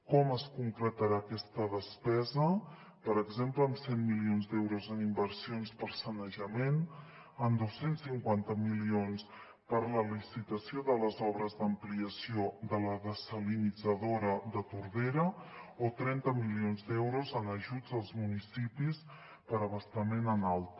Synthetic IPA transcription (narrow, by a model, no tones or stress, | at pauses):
kɔməskuŋkɾət̪əɾaːkɛst̪əðəspɛzə | pəɾəɡzempləːmsenmilionzd̪ɛwɾuzənimbəɾsionspəɾsənəʒəmen | ənd̪osensːiŋkwant̪əmilions | pəɾləlisit̪əsioðələzɔβɾəzðəmpliəsioðələðəsəlinid͡zəðoɾəðət̪uɾβeɾəot̪ɾɛnt̪əmilionzd̪ɛwɾuzənəʒud͡zəlˠzmunisipis | pəɾəβəst̪əmenənalˠt̪